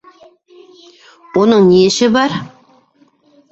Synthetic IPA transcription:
wonəɴnijeʃɪbɑɾ

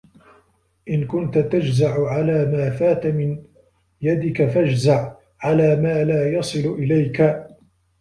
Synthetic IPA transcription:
ʔɪnkʊnt̪at̪ad͡ʒzaʕʊʕalaːmaːfaːt̪mɪn | jad̪ɪkafad͡ʒzaʕ | ʕalaːmaːlaːjɑsˤɨlʊʔɪlajka

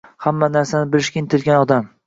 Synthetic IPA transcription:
hamːanaɾsanɪbɪlɪʃkʲaɪnt̪ʰɪlɡʲanɒd̪am

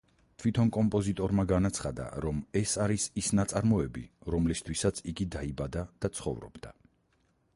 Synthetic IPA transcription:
t̪ʰwit̪ʰɔnkʼɔmpʼɔzit̪ʼɔɾmaɡanat̪sʰχad̪a̰ɾɔmɛsaɾisisnat̪sʼaɾmɔɛbiɾɔmlist̪ʰwisat̪sʰiɡid̪aibad̪ad̪̥at̪sʰχɔ̰vɾɔ̰bd̪a

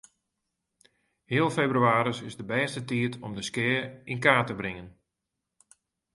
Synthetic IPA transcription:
hɪːəlˠfebryaːɾəsɪzdəbɛːstətiətʰɔmdəskɪːinkaːtəbrɪŋən

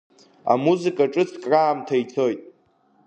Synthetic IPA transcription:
a̰muzɨkʼaʈ͡ʂʼɨt͡sʰkʼraːmtʰait͡sʰojtʼ

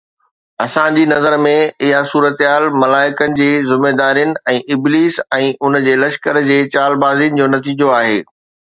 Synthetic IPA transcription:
ɐsãd͡ʑiːnɐzəɾmẽɪɦasuːɾət̪ɦaːlmɐlaːɪkənɪ̆d͡ʑiːzɪmeːd̪aːɾijənɪ̆ɛ̃ːʔɪbliːsɛ̃ːʔʊnd͡ʑeːlɐʃkəɾd͡ʑeːt͡ɕaːlbaːzijənɪ̆d͡ʑoːnɐt̪iːd͡ʑoaːɦeː

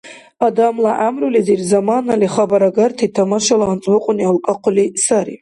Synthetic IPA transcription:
adamlaʔamrulizirzamanaliχabaɾaɡartʰitʰamaʃalaːnt͡sʼbɨqʷʼʊnialkʼaqʰʷʊlisaɾḭ

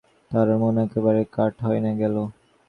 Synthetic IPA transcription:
t̪aɾmoneɛkebaɾekaɾʈɦɔenaɡɛlo

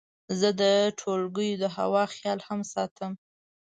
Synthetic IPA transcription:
zəd̪əʈʰolɡəjod̪əɦa̰wɑxjɑlhamsɑt̪ʰəm

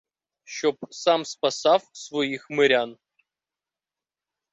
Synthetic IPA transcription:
ɕop̚samspɐsɑfsvojixmɨɾʲan

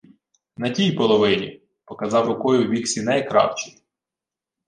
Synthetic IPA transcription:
nɐtʲijpɔlˠɔʋɪnʲḭ | pɔkɐzɑwɾɔkɔjʊʋʲiksʲinɛjkɾɑ̰wt͡ʃij

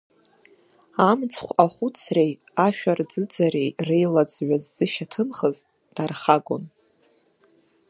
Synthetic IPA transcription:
amt͡sʰχʷaχʷut͡sʰre̞j | aʃᶣard͡zɨd͡zaɾejrejlad͡zʕʷazːɨʃatʰɨmχəz | d̥arχaɡʷo̰n

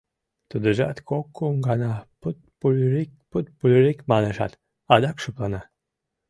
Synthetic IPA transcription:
t̪ud̪əʒɑ̰t̪kokːuŋɡɑnɑpɨt̪̚pulʲɾikput̪̚pulʲɾikmɑneʃɑ̰t̪ | ɑd̪ɑkʃoplɑnɑ

